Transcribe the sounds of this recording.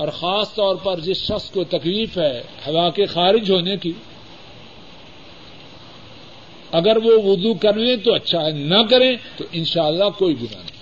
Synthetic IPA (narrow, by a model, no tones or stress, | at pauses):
ɔːɾxaːst̪ɔːɾpɐɾd͡ʒɪsʃɐxskot̪ɐkliːfɦɛ | hɐʋaːkexaːɾɪd͡ʒɦoːneki | ɐɡəɾʋoʋʊzukɐɾlẽt̪oɐtːʃʰaɦɛnɐkɐɾẽt̪oʔɪ̃nʃaːlːakoːiɡʊna̰ːnɐ